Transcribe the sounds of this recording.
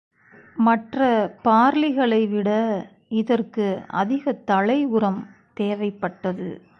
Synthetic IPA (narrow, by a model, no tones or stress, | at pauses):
mɐʈrɐpaːɾlɪɣɐɭɐɪʋɪɽɐ | ɪðɐrkɯɐ̰ðɪɣɐt̪ɐɭɐɪʊɾɐmt̪eːʋɐɪpːɐʈːɐðɯ̰